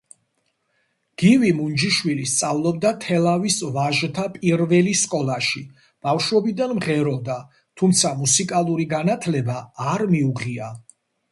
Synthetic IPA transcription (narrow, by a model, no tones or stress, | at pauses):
ɡ̥ivimund͡ʒiʃwilist̪sʼavlˠɔb̚d̪at̪ʰɛlˠavisvaʒt̪ʰapʼiɾvɛliskʼɔlˠaʃi | b̥afʃwɛbid̪anmʁɛɾɔd̪a | t̪ʰumt̪sʰamusikʼalˠuɾiɡanat̪ʰlɛbaːɾmiuʁia